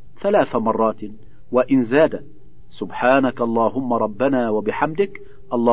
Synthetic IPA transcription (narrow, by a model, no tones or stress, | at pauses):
θalaːθamɑrˤːɑːt̪ | waʔɪnzaːd̪a | sʊbħaːnakʔɑlˤːɑːɦʊmːaɾˤɑbːanaːwabɪħamd̪ɪk | ʔɑlˤːɑː